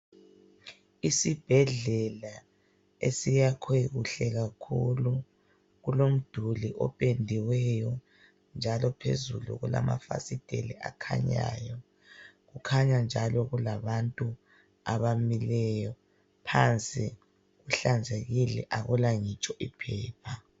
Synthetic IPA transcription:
isib̥ʱɛɮɛla | ḛsijakʰeɣuɬɛɣakʰulu | ɣulom̩d̥ʱuliʔɔ̰pʼendʱiwɛjɔ | nd͡ʒʱalɔpʰḛzṵlṵɣula̰ma̰fa̰sid̥ʱḛliʔa̰kʰa̰ɲa̰jɔ | ɣukʰaɲand͡ʒʱalɔɣulaβantʼu | aβamilɛjɔ | pʰant͡sʼi | ɣuɬand͡zʱeɣilɛ̰ʔaɣulaŋit͡ʃʼɔʔipʰɛːpʰa

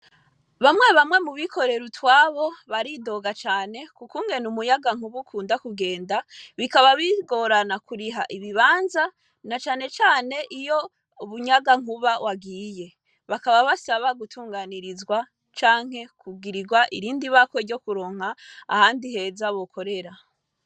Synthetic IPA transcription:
βamŋe̞βamŋe̞muβikʰo̞ɾe̞ɾutwaːβo̞βaɾido̞ɡat͡ʃaːne̞kukuːŋɡe̞numujaɡaŋuβukʰuːndakuɡe̞ːndaβikaβaβiɡoɾanakuɾiɦaʔiβiβaːnza | nat͡ʃaːne̞t͡ʃaːne̞ʔijo | uβuɲaɡaŋ̥uβawʔaɡiːje̞ | βakaβaβasaβaɡutʰuːŋɡaniɾizɡwa | t͡ʃaːŋ̥e̞kʰuɡiɾiɡwaʔḭɾiːndiβako̞ɾɟo̞kuɾo̞ŋ̥ha̰ːhaːndiɦe̞zaβo̞kʰo̞ɾe̞ɾa

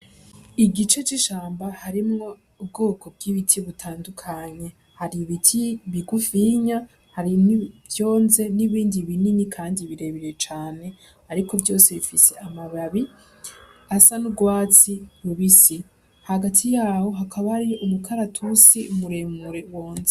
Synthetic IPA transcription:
iɡit͡ʃe̞t͡ʃiʃaːmbahaɾimŋo̞ | ub̚ɡo̞ːkʰo̞b̚ɡiβitʰiβutʰaːndukʰaɲe̞ | haɾiβitʰiβiɡufiɲa | haɾinivjo̞ːnze̞niβiːndiβininikʰaːndiβiɾe̞βiɾe̞t͡ʃaːne̞ | aɾiko̞vjo̞ːse̞βifise̞ʔamaβaβi | asanuɡwaːt͡siɾuβisi | haɡatʰijaːho̞ɦakʰaβahɾijoʔumukʰaɾatʰusiumuɾemuɾewo̞ːnze

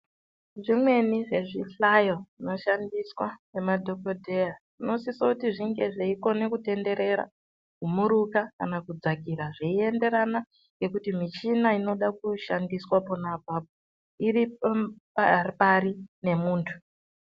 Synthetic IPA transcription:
ʐimwe̞niʐe̞ʐiɬajoʐino̞ʃandiswanemadʱo̞ko̞dʱejaʐino̞sisoutiʐiŋɡe̞ʐeiko̞ne̞kute̞nde̞ɾe̞ɾa̰ | kumuɾukakanakud͡zakiɾaʐeie̞nde̞ɾana | ŋɡe̞kutimit͡ʃinaino̞ɗakuʃandiswaponabʱaːb̚ʱo | iri | arpaɾine̞muːntʰu̥

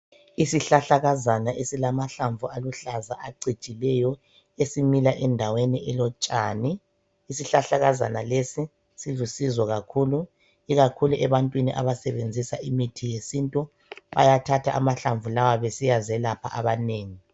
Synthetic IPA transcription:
isiɬaɬaɣazanaʔesilamaɬaɱvualuɬazaʔaǀit͡ʃʼilɛjɔ | esimilaʔɛndʱaweniʔɛlɔt͡ʃʼaːniː | siɬaɬaɣaza̰nalesi | siɮusizwɔɣakʰuːlu | iɣakʰuluʔɛβantʼwiniʔa̰βasɛβend͡zʱisaʔimitʰijesintʼu | βa̰jatʰatʰaʔa̰maɬaɱvulawaβesijazɛlapʰa̰ʔaβaneːŋi

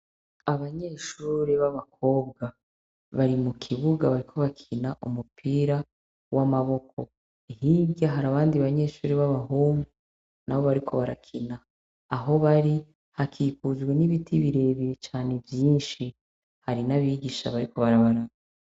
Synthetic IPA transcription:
aβaɲe̞ːʃuːɾeβaβak̚ʰo̞ːb̚ɡa | βaɾimukʰiβuɡaβaɾikʰo̞βakʰinaʔumupʰiːɾa | wʔamaβo̞kʰo̞̰ | ihibɟaɦaɾaβaːndiβaɲe̞ːʃuːɾeβaβaɦoːmɡu | naβo̞βaɾikʰo̞βaɾakʰinaː | ɦo̞βaɾi | hakʰiːkuzɡwe̞niβitʰiβiɾe̞βiɾet͡ʃaːne̞vjiːnʃi | haɾinaβiːɡiʃa̰βaɾiko̞βaɾaβaɾaɡa

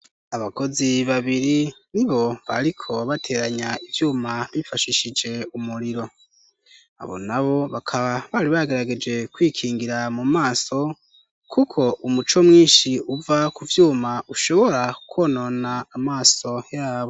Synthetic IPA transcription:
aβako̞ziβaβiɾiniβo̞βa̰ɾikʰo̞βatʰe̞ːɾaɲaivjuːmaβifaʃiʃid͡ʒe̞umuɾiɾo̞ | a̰βo̞̰naβo̞βakʰaβaβaːɾiβaɡe̞ɾaɡe̞d͡ʒɡe̞kwiːkʰiːŋɡiɾamumaːso̞ | kukʰo̞ʔumut͡ʃo̞mŋiːnʃiuvakuvjuːmaʔuʃo̞βo̞ɾakwoːno̞naːmaːso̞jaːβo

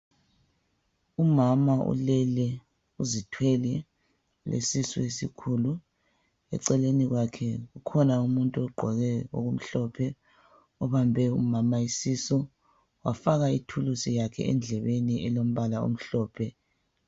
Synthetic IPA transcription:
umamaṵlɛlɛ | uzitʰwɛlɛ | lḛsisuesikʰulu | ɛ̰ǀɛleniɣwakʰɛɣukʰɔnaumuntʼuɔɡ͡ǃʱɔɣɛo̰ɣum̩ɬɔpʰɛ | ɔβambʱɛumamaisisɔ | wafaɣaitʰulusijakʰɛ̰ɛ̰nd͡ɮʱɛβeniɛlom̩βalao̰m̩ɬɔːpʰɛ

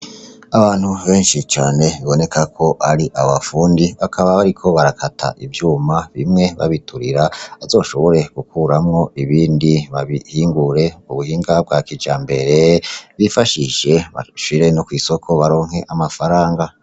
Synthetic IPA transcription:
aβaːn̥huβe̞ːnʃit͡ʃaːne̞βiβo̞ne̞kʰakʰo̞ʔaɾiʔaβafuːndiβakʰaβaβaɾikʰo̞βaɾakʰatʰa̰ʔivjuːmaβimŋe̞βa̰βitʰuɾiɾaazo̞ːʃo̞βo̞ɾe̞ɡ̥ukuːɾamŋo̞ʔiβiːndiβaβihiːŋɡuɾe̞uβuhiːŋɡab̚ɡwakid͡ʒaːmbe̞ɾe̞βifaʃiʒe̞βa̰ʃiɾe̞nokwiːso̞kʰo̞βaɾo̞ːŋ̥he̞ʔamafaɾaːŋɡa

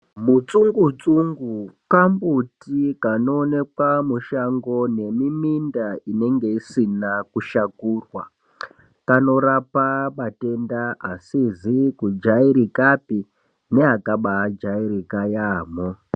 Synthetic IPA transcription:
mut͡suŋɡut͡suŋɡukambutikano̞ːne̞kwamuʃaŋɡo̞ne̞mimindaine̞ŋɡe̞isinakuʃakuːrwa | kano̞ɾapaɓate̞ndaasizikud͡ʒaiɾikapi | ne̞ɦakaɓad͡ʒaiɾikajaːmo

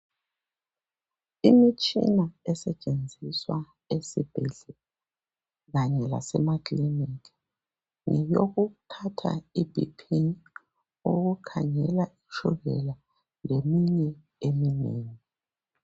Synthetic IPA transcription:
imit͡ʃʼḭnaɛsɛt͡ʃʼend͡zʱiswa | esib̥ʱɛɮɛ | ɣaɲɛla̰sɛmadlinik | ŋɛjoɣutʰatʰa̰ibʱḭpʰi | uɣukʰa̰ŋɛlaiʃuɣɛ̰la | lemiɲɛ | emineːŋi

